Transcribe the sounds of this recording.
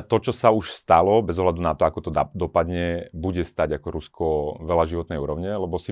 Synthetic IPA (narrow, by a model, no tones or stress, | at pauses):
t̪ɔt͡ʃɔsauʃst̪alɔbɛzɔɦlad̪unat̪ɔakɔt̪ɔd̪ɔpad̪ɲɛbuɟɛst̪aɟakɔɾuskʰɔʋɛlaʒiʋɔt̪nɛjṵːɾɔʊɲɛlɛbɔsi